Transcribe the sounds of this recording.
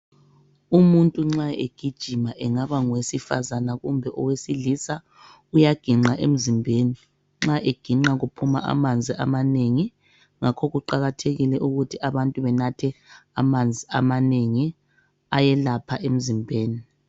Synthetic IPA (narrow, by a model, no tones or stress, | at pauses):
umuntʼuŋ͡ǁaḛɡ̥ʱid̥ʒ̥ʱimaʔɛŋaβaŋwesifa̰zanaɣumbʱɛʔɔwesilisa | ujaɡ̥ʱiŋ͡ǁaʔem̩zimbʱeni | ŋ͡ǁaʔeɡ̥ʱiŋ͡ǁaɣupʰuma̰ʔa̰mand͡zʱiʔa̰maneŋi | ŋakʰɔɣuǃaɣatʰeɣilɛʔuɣutʰiaβantʼuβɛnatʰɛa̰mand͡zʱiamaneŋi | ajɛlapʰaʔem̩zimbʱeːni